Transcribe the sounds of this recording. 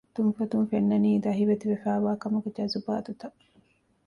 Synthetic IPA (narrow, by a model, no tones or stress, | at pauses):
t̪unfɐt̪unfenːɐniːd̪ɐɦiʋet̪iʋefæːʋaːkɐmuɡed͡ʒɐzuba̰ːd̪ut̪ɐ